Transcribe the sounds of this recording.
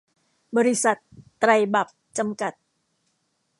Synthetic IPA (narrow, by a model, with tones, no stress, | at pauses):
bə˨ɾisa˨t̪ːɾajba˨p̚t͡ɕamka˨t̪̚